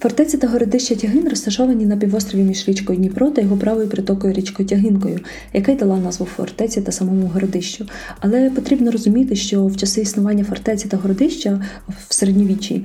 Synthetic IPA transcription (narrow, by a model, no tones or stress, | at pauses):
fɐrt̪ɛt͡sʲit̪ɐɦɔɾɔd̪ɪʃt͡ʃɐtʲɐɦɪnrɔst̪ɐʃɔʋɐnʲinɐpʲiʋɔst̪ɾɔʋʲimʲiʒɾʲit͡ʃkɔjʊnʲipɾɔt̪ɐjɔɦɔpɾɑʋɔjʊpɾɪt̪ɔkɔjʊɾʲit͡ʃkɔjtʲɐɦɪnkɔjʊ | jɐkajd̪ɐlˠɑnɑzʋuwfɔ̰rt̪ɛt͡sʲit̪ɐsɐmɔmʊɦɔɾɔd̪ɪʃt͡ʃʊɐlˠɛpɔt̪ɾʲibnɔɾɔzʊmʲit̪ɪʃt͡ʃɔwt͡ʃɐsɪisnʊʋɑnʲːɐfɐrt̪ɛt͡sʲit̪ɐɦɔɾɔd̪ɪʃt͡ʃɐwseɾedʲnʲɔʋʲit͡ʃʲḭ